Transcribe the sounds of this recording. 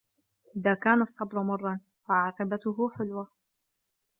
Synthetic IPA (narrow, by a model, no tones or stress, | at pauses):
ʔɪðaːkaːnɑsˤːɑbɾʊmɑrˤːɑn | faʕɑːqɑbat̪ʊɦʊħʊlwa